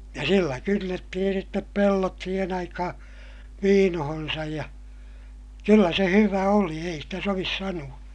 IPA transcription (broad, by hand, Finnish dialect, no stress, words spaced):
jɑ silːæ kynːetːihin̞ sitːep pelːot siːhen ɑikɑhɑ̃ː ʋiːnohonsɑj jɑ kylːæ se hyʋæ oli ei stæ soʋis sɑnuɑ